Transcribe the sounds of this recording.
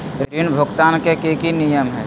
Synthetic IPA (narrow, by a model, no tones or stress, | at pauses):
ɾɾʋɪnbʱʊɡt̪aːnkekekinijəmɦɛː